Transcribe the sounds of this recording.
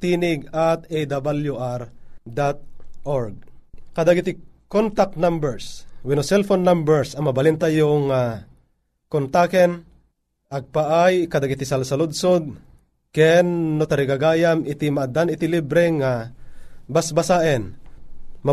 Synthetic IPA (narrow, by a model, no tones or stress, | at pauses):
t̪iːnɪɡat̪ejd̪abaljuʔaɾd̪at̪̚ʔoɾɡ̚kɐd̪aɡɪt̪ɪkont̪ak̚tnambɛɹswɛnosɛlfonːambɛɹsɐŋmɐbɐlɪnt̪ajʊŋa | kont̪akɛn | ʔɐɡ̚paʔajkɐd̪aɡɪt̪ɪsalsɐlʊd̪̚sod̪̚ | kɛnːot̪ɐɾɪɡaɡaːjamɪt̪ɪmaʔad̪anɪt̪ɪlibɾɛŋa | basbasaːʔɛn | ma